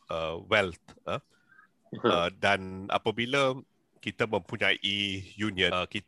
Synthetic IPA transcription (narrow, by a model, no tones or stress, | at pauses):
ʔəwɛlt̪̚ʔə | ədana̰pəbilə | kit̪əmə̃mpuɲaʔijuniə̃kit̪